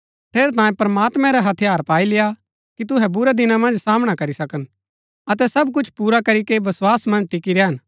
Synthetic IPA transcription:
ʈ̪ʰeːɾɛt̪ãːjẽpɾɐmaːt̪mɛ̃ɾaɦɐt̪ʰijaːɾpaːilɪja | kit̪̬ʊɦɛbʊɾɛd̪ɪnãmɐ̃nd͡ʒsaːməɽ̃akɐɾisɐkən | ɐt̪ɛsɐbk̬ʊt͡ʃʰpuːɾakɐɾikebɐswaːsmɐ̃nʈɪkiɾeɦɐn

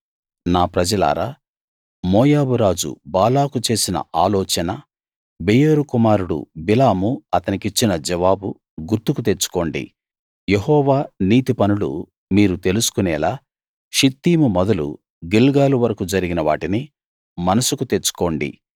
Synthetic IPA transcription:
naːpɾɐd͡ʒɐla̰ːɾa̰ː | mɔːjaːbuɾaːd͡ʒṵbaːlaːkut͡ʃe̞ːsinɐ̰aːlɔːt͡ʃɐnɐ | bejeɾukumaːɾuɽṵbilaːmuɐt̪ɐnikit͡ʃːinɐd͡ʒɐʋaːbu | ɡuɾt̪ukut̪e̞t͡ʃːu̥ko̞ːɳɖḭ | jeɦɔːʋaːniːt̪ipɐnulṵ | miːɾut̪e̞lusu̥kunɛːlaː | ʃit̪ːiːmumɔd̪ɐlṵ | ɡilɡaːluʋɐɾɐkud͡ʒɐɾiɡinɐʋaːʈini | mɐnɐsukut̪e̞t͡ʃːu̥ko̞ːɳɖḭ

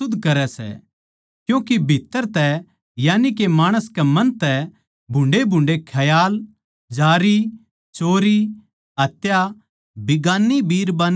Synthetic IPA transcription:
ʊd̪ːkɐɾɛsɛ̰ | kjũːkibʱɪt̪ːəɾt̪ɛ | jaːnikemaːɽ̃əskɛmɐ̃nt̪ɛ | bʱʊ̃ɳɖebʱʊ̃ɳɖekʰɐjaːl | d͡ʒaːɾi | t͡ʃoːɾi | ɦɐt̪ja | bɪɡaːnːibʱiːɾbaːn

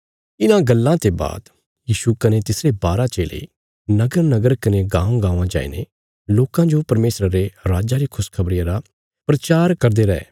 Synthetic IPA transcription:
ɪnãɡɐlːãt̪eba̰ːd̪ | jiːʃukɐnet̪ɪsɾebaːɾat͡ʃeːlḛ | nɐɡəɾnɐɡəɾkɐneɡãːũɡãːãd͡ʒa̰ːḭnḛ | loːkãd͡ʒopɐɾmeːsɾəɾeɾaːd͡ʒaɾikʰʊskʰɐbɾɪjãɾa | pɾɐt͡ʃaːɾkɐɾd̪eɾɐɛ̰ː

